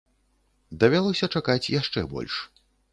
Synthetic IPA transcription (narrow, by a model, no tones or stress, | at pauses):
d̪ɐvʲalˠɔsʲɐt͡ʂakat͡sʲjaʂt͡ʂɛ̰bɔ̰lʲʂ